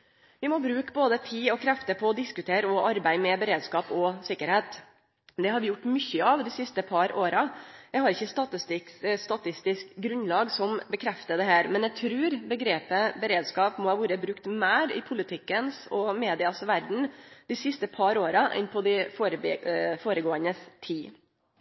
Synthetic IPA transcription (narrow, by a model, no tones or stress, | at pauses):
ʋɪmɔbɾʉːkboːd̪ət̪ʰiːɔkʰɾɛft̪əpʰɔɔd̪ɪskʉt̪ʰeːɾəɔʔɑɾbæɪmɛbəɾeːd̪skɑːpɔsɪkːəɾheːt̪ | d̪ɛhɑɾʋɪjʊʈːmʏçːəɑʋd̪ɪsɪst̪əpʰɑɾoːɾɑjæɡhɑɾɪçːəst̪ɑt̪st̪ɪst̪ɑt̪ɪst̪ɪskɡɾʉnːlɑːɡsɔmbəkʰɾɛft̪əd̪ɛɦæːɾmɛnæɡt̪ʰɾʉːɾbəɡɾeːpəbəɾeːd̪skɑːpmɔhɑːʋuːɾəbɾʉkt̪mæːɾɪ̰pʰʊlɪt̪ʰɪkːənsɔmeːd̪ɪɑsʋæɾɖɳ̩d̪̥ɪsɪst̪əpʰɑɾoːɾɑʔɛ̰npʰɔd̪ɪfoːɾəfoːɾəɡoːənəst̪ʰiː